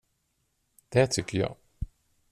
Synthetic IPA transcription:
d̪̥ɛːt̪ʰʏkʲːəjɑ̰ː

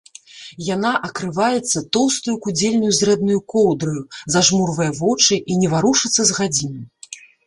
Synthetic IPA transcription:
janaʔɐkɾɨvajɛt̪sːɐt̪ɔwst̪ujukud͡zʲelʲnujuzɾɛd̪nujukɔwd̪ɾɨjuzaʐmurvɐjɐvɔt͡ʂɨʔinʲɛvaɾuʂɨt̪sːɐzɣad͡zʲinʲɐ

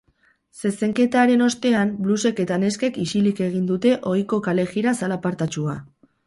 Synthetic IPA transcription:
se̞se̞ŋke̞t̪aɾe̞no̞st̪e̞ambluse̞ke̞t̪ane̞ske̞kisilike̞ɣ̞ind̪ut̪e̞ʔo̞jko̞kale̞ɣiɾasalapaɾt̪at͡ʃua

